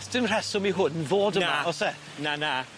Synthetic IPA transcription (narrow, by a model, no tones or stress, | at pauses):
stɪnr̥ɛsʊmiɦʊnvoːdəmaɔsɛ | nana